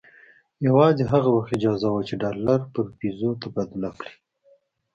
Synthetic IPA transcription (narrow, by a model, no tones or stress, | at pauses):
jawɑzeɦaɣawaxɪd͡ʒɑzawat͡ʃeɖɑlaɾpəɾpizot̪abad̪lakɽi̥